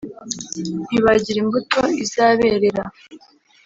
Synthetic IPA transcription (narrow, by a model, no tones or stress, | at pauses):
niβaɟiɾimbuto̞izaːβeɾeɾa